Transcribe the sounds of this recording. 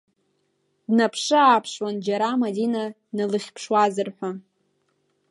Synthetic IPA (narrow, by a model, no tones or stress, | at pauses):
dnapʰʂɨaːpʰʂwand͡ʒaɾamadina | nalɨχʲpʰʂwazɨrħʷa